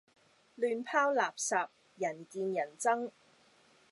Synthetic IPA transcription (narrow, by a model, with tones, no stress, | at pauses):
lyː˧npʰaː˥wlaː˨p̚sɐː˨p̚ | jɐ˨˩nkiː˧njɐ˨˩nt͡sɐ˥ŋ